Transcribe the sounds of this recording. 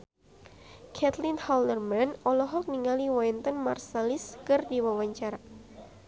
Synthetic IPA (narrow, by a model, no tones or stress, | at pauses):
kʰɛt̪linhɔldərmanɔlɔɦɔk̚niŋaliwajnt̪ɔnmarsɛliskɨrdiwawaɲt͡ʃaɾa